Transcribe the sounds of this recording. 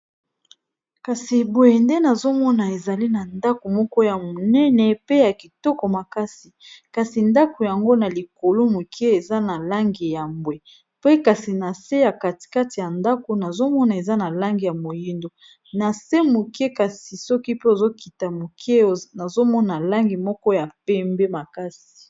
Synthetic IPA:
ka˨si˨bo˨je˨nde˦na˨zo˦mɔ˦na˨e˨za˨li˦na˨nda˦ko˨mɔ˦kɔ˦ja˨mo˨nɛ˦nɛ˨pe˦ja˨ki˨tɔ˦kɔ˨ma˨ka˦si˨ka˨si˨nda˦ko˨ja˨ŋɡo˦na˨li˨ko˨lo˦mo˨kʰe˦e˨za˦na˨la˦ŋɡi˨ja˨mbwe˨ | pe˦ka˨si˨na˨se˦ja˨ka˨ti̥˨ka˦ti˨ja˨nda˦ko˨na˨zo˦mɔ˦na˨e˨za˦na˨la˦ŋɡi˨ja˨mo˨ji˦ndo˨ | na˨se˦mo˨ke˦ka˨si˨sɔ˦ki˦pe˦o˨zo˦kʰi˨ta˨mo˨kʰe˦˨na˨zo˦mɔ˦na˨la˦ŋɡi˨mɔ˦kɔ˦ja˨p̚ɛ˦mbe˦ma˨ka˦si̥˨

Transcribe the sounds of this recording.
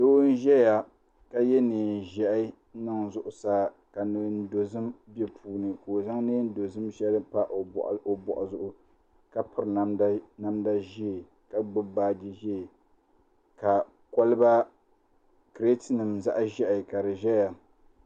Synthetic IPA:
doː˦n˦ʒɛ˦ja˨ | ka˦jɛ˦nɨː˨ʒɛ˦ʔɪ˦nɨ˦ŋzʊ˨ʔʊ˨saː˦ | ka˨nɨ˨˦n˦do˨zɨ˦mbɛ˦pʰuː˨nɨ˨koː˨za˦ŋnɨ˦n̩˦do˨zɨ˦mʃɛ˦lɨ˦pa˦ʔʔo˨bɔ̰˨ʔʊ˨zʊ˨ʔʊ˦ | ka˨pɨ˨ɾna˨˦m˦na˦mda˦ʒi˦˨ | ka˨ɡ͡bɨ˦baː˦di˦ʒɛ˦˨ | ka˨ | ko˦lɨ˦ba˦ | kɾe˦tnɨ˨mza̰˦ʔʒɛ˦ʔɪ˨ka˨ɾɨ˨ʒɛ˦ja˨

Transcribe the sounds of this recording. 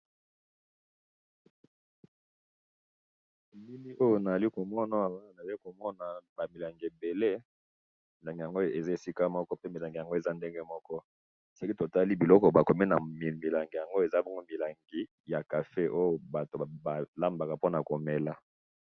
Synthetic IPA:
mi˦mi˦ʔo˦jo˦na˨za˨li˦ko˨mɔ˦na˦˨˦na˨zli˦ko˨mɔ˦na˨ba˨mi˨la˨ŋɡe˨be˨le˦ | mi˨la˨ŋɡi˨ja˨ŋɡo˦˨e˨za˦e˨si˦ka˦mɔ˦kɔ˦pe˦mi˨la˨ŋɡi˨ja˨ŋɡo˦e˨za˦nde˦ŋɡe˦mɔ˦kɔ˦ | sɔ˦ki˦to˨ta˦li˦bi˨lɔ˦kɔ˨ba˨ko˨mi˦na˨m˨mi˨la˨ŋɡi˨ja˨ŋɡo˦e˨za˦bɔ˦ŋɡo˦mi˨la˨ŋɡi˨ | ja˨ka˨fe˦ʔo˦jo˨ba˨to˨ba˨la˦mba˨ka˨po˦na˨ko˨mɛ˨la˦

